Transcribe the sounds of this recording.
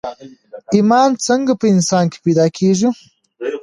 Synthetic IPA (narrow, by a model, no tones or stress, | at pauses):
ɪmɑnt͡səŋɡapəɪnsɑːnke̥pijd̪ɑːkʰeʒu